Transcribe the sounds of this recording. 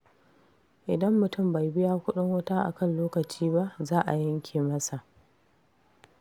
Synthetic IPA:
ʔɪ˨dɐ˦mːʊ˨tʊ˦˨mba˨jbɪ˦jaː˦kʷʊ˦ɗʊ˦ŋwɐ˦ta˦ʔa̰˨kɐ˦nloː˦kɐ˨t͡ʃiː˦ba˦ʔzaː˦ʔa˨jɐ˦ŋkʲʰeː˨mɐ˦sa˨ʔ

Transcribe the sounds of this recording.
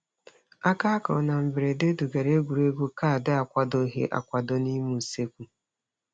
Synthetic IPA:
a˦ka˦kɔ̰˨na˨m̩˨bɪ˨ɾe˨de˦du˨ɡa˨ɾe˦ɡʷu˨ɾe˦ɡo˦ka˦a˨dɪ˦a˨kʷa˦do˦ɦḛ˦ʔa̰˨kʷa˨dɔ˦ni˦mu˨se˦kʷu˨

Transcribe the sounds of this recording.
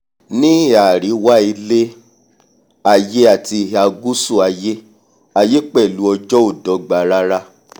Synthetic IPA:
nĩ˦a˨ɾi˨˦wa˦i˧le˦ | a˧˨je˦a˦˨ti˧a˧ɡu˦su˦˨a˧je˦ | a˧je˦k͡pɛ˦˨lu˨˦ɔ˧d͡ʒɔ˦o˦˨dɔ˨˦ɡ͡ba˨ɾa˦ɾa˦

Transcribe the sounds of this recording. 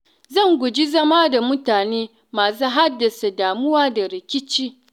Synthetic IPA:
zɐ˦˨ŋɡʷʊ˨d͡ʒi˦zɐ˦ma˦da˨mʊ˦taː˨neː˦ | maː˨s̬uː˦ɦa˦dːɐ˨sa˨daː˨mʊ˦waː˦da˨ɾɪ˨kʲɪ˦t͡ʃiː˦

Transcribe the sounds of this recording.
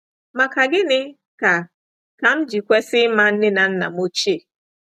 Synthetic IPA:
ma˨ka˨ɡɪ˦nɪ˦ | ka˨ | ka˨m̩˦d͡ʒi˨kʷe˦sɪ˦ma˦n̩˦nɪ˦na˨n̩˦na̰˨mo˦t͡ʃe˦˨

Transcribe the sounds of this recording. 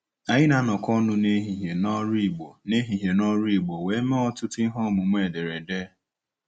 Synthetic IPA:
a˨ɲɪ˦na˨˦nɔ˨kɔ˦nʊ˦ne˦ɦi˨ɦe˨nɔ˦ɾi˦˨ɡ͡bo˨ne˦ɦi˨ɦe˨nɔ˦ɾi˦˨ɡ͡bo˨we˨˦me˦ɔ˦tʊ˦ti˦ɦɔ˦˨mʊ˨ŋ͡mʷe˦˨de˨ɾe˨de˦

